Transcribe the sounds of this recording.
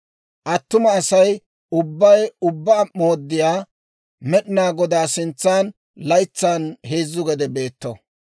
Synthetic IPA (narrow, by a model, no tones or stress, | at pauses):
ʔɐt̪ːʊmɐːsɐj | ʊbːɐjʊbːaːmo̞ːd̪ːɪjaː | mɛɗɪnaːɡɔd̪aːsɪnt͡sːaːn | lɐjt͡sːanheːzːʊɡɛd̪ɛbe̞ːt̪ːɔ